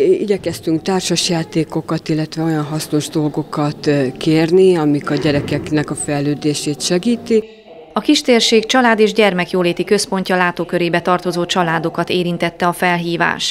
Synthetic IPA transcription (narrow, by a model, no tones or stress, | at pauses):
iɟɛkɛst̪yŋk̚t̪aːrʃɒʃjaːt̪eːko̞kɒt̪ilːɛt̪ʋɛo̞jɒnɦɒsno̞ʒd̪o̞lɡo̞kɒt̪keːrniɒmikɒɟɛɾɛkɛknɛkɒfɛjlːøːd̪eːʃeːt̪ʃɛɡiːt̪i | ɒkiʃt̪eːrʃeːkt͡ʃɒlaːd̪eːʒɟɛrmɛkjoːleːt̪ikø̞spo̞ɲcɒlaːt̪oːkø̞ɾeːbɛt̪ɒrt̪o̞zoːt͡ʃɒlaːd̪o̞kɒt̪eːɾint̪ɛt̪ːɛɒfɛlɦiːva̰ːʃ